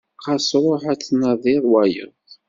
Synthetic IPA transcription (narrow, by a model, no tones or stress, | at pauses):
qɑsɾˤoħæt͡sːnɑðˤɪɾˤwæjə̰ðˤ